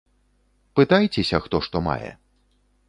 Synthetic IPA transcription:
pɨt̪ajt͡sʲɛsʲɐxt̪ɔʂt̪ɔma̰jɛ̰

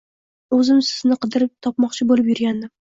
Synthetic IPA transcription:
ɵzɪmsɪznɪqʰɨd̪ɪɾɪp̚t̪ʰɒp̚mɒqt͡ʃʰɪbolɪp̬jʊɾɡʲand̪ɪm

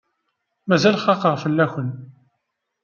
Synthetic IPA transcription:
mæzælχɑqəʁfəlːæçən

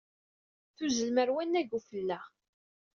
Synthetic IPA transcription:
θuzəlməɾwænːæʝufəlːæ

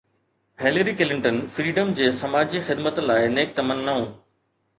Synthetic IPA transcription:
ɦeːləɾikɪlɪ̃ɳʈənfɾiːɖəmd͡ʑeːsɐmaːd͡ʑiːxɪd̪mət̪laːɪneːk̚t̪ɐmənːɐɦũː

